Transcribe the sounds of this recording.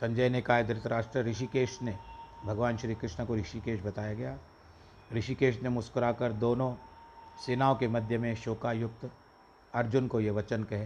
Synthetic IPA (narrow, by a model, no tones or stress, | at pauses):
sɐ̃ɲd͡ʒəjnekaːjəd̪ʱɐɾɪt̪əɾaːʃʈɾəɾɪʃ̬ikeːʃnebʱɐɡʋaːnʃɾiːkɾɪʃnəkoɾɪʃikeːʃbɐt̪aːjaɡɐjaː | ɾɪʃikeːʃnemʊskəɾakɐɾd̪oːnõseːnaːõkemɐd̪ʱjəmẽʃoːkaːjʊk̚t̪ | ɐɾd͡ʒʊnkojeʋɐt͡ʃənkɐɦeː